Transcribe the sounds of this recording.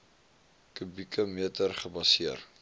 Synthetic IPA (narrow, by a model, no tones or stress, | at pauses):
kybikəmiətərχəbɐsiər